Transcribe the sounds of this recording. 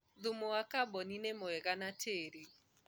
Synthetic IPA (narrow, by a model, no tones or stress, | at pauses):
ðumoakabɔninemoɛɣanatʰeɾe